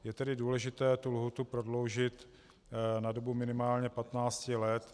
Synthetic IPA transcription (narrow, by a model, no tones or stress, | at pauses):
jɛt̪ɛdɪduːlɛʒɪt̪ɛːt̪ulɦut̪upɾodlo̞wʒɪt̪ | nado̞bumɪnɪmaːlɲɛpat̪naːt͡scɪlɛt̪